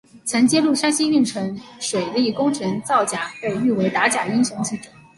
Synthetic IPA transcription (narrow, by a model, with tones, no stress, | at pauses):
t͡sʰə˧˥nt͡ɕjɛ˥lu˥˩ʂa˥ɕi˥y˥˩nʈ͡ʂʰɤ˧˥ŋʂwe˨˩ɪli˥˩kʊ˥ŋʈ͡ʂʰɤ˧˥ŋt͡sɑ˥˩ʊt͡ɕja˨˩e˥˧ɪy˥˩we˧˥ɪt̪a˧˥t͡ɕja˨˩i˥ŋɕjɑ˧˥ŋt͡ɕʰi˥˩ʈ͡ʂu̥˨˩